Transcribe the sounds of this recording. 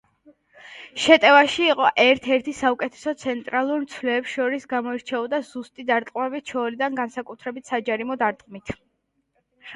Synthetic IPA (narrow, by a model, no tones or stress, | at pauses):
ʃɛt̪ʼɛvaʃiːqʼɔʔɛɾt̪ʰɛɾt̪ʰisaukʼɛt̪ʰɛ̥sɔt̪sʰɛnt̪ʼɾalˠuɾmt̪sʰvlɛːpsʃɔɾisɡamɔiɾt͡ʃʰɛɔd̪azust̪ʼid̪aɾt̪ʼqʼmɛbit̪̚t͡ʃʰɔlid̪anɡansakʼut̪ʰɾɛbit̪ʰsad͡ʒaɾimɔd̪aɾt̪ʼqʼmit̪ʰ